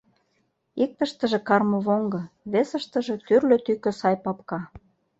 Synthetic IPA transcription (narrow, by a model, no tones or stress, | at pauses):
ik̚t̪ə̆ʃt̪əʒĕkɑrmɤ̆βoŋɡɤ̆βesə̆ʃt̪ə̆ʒĕt̪yrløt̪ykøsɑjpɑpkɑ